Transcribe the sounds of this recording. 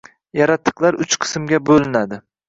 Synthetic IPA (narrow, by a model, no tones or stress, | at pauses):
jaɾat̪ʰːɨ̥qlˠaɾʊt͡ʃqʰɨ̥smɡʲabolɪnad̪ɪ